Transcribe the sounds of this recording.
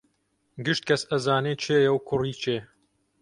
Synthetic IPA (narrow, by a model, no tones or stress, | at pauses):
ɡɨʃt̪̚kʰɐsɐzaːneːt͡ʃʰeːjɐwkʰʊriːt͡ʃʰeː